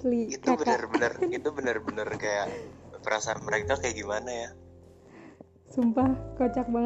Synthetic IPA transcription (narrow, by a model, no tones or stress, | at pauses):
liit̪abəərbənərit̪ubənərbənərkajaʔpəɾasaanməɾekakajaʔɡimanaja | sumpahkot͡ʃak̚baŋ